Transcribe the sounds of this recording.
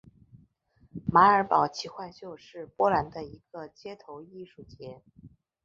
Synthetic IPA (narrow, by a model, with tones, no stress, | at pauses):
ma˧˥ə˞˧˥pɑ˨˩ʊt͡ɕʰi˧˥xwa˥˧ɪt͡ɕjo˥˧ʊʂɻ̩˥˩pwɔ˥la˧˥nd̪ə˧i˧˥ɡ̥ə˧t͡ɕjɛ˥t̪ʰo˧˥ʊi˥˧ʂu˥˩t͡ɕjɛ˧˥